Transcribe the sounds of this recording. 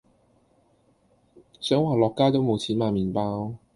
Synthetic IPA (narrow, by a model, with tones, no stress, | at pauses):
sœː˨˥ŋwaː˨lɔː˨kːaː˥t̪o˨˥wmo˨˧wt͡sʰiː˨˥nmaː˨˩miː˨npaː˧w